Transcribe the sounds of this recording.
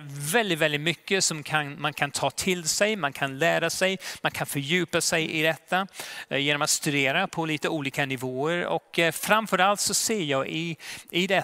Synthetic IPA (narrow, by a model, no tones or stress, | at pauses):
vɛld̪ɪt̪vɛld̪ɪt̪mʏkːəsɔmkʰanmankʰant̪ʰɑːt̪ʰɪlsɛjmankʰanlæːɾasɛjmankʰanfœɾjʉ̟ːpasɛjʔɪd̪ɛt̪ʰːajeːnɔmat̪st̪ʉd̪eːɾapʰɔliːt̪əuːliːkanɪvoːəɾɔ̰kfɾamfœɾalt̪sɔseːɾjɑːʔɪɪd̪ɛ